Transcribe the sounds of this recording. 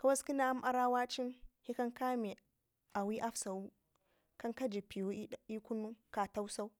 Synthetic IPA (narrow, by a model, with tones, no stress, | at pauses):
ka˦wa˦ski˦na˦m˦ʔa˦ɾa˦wa˦t͡ʃi˦nhi˦ka˦ŋka˦mi˨ | a˨wi˦ʔa˦fsa˨wu˦ | ka˦ŋka˦d͡ʒi˨pi˨wu˦i˦ku˦nu˦ka˨ta˦wsa˦w